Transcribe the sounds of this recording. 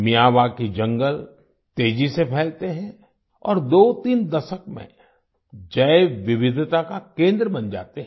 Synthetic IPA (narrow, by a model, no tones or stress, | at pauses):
mijaːʋakid͡ʒɐ̃ŋɡəl | t̪eːd͡ʒisepʰɛːlt̪eɦɛ̃ | ɔ̰ːɾd̪oːt̪iːnd̪ɐʃəkmḛ̃ | d͡ʒɐeʋɪʋɪd̪ʱt̪akakẽːnd̪ɾəbɐ̃nd͡ʒa̰ːt̪eɦɛ̃